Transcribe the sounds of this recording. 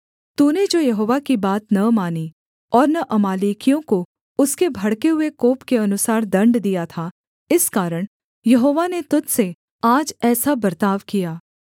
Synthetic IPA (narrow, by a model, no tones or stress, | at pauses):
t̪uned͡ʒoːjɐɦoːʋakibaːt̪nɐmaːni | ɔːɾnɐʔɐmaːliːkijõko | ʊskebʱɐɽkeɦʊekoːpkeɐnʊsaːɾd̪ɐ̃ɳɖd̪ijat̪ʰa | ɪskaːɾəɽ̃ | jɐɦoːʋanet̪ʊt̪se | aːd͡ʒɛːsabɐɾt̪aːʋkijaː